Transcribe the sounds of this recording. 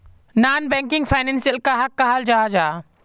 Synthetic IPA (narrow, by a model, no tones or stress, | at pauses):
naːnbɛ̃ŋkɪŋɡpʰaɪnɛ̃nsijəlkaɦɐkːaɦald͡ʒaːd͡ʒaː